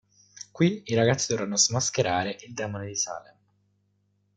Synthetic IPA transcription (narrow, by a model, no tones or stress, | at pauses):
kwiiɾaɡat̪sːid̪ɔvrɾanːoazmaskeɾaːɾeʔild̪ɛːmoned̪isa̰ːlem